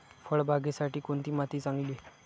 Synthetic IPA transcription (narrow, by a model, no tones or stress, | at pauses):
fəɭbʱaɡesaʈiːkoɳt̪iːmat̪iːt͡sãŋɡliː